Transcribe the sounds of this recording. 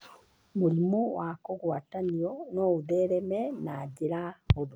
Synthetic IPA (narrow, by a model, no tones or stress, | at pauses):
moɾimowakoɣwataniɔnɔuðɛɾɛmɛnad͡ʑeɾahodo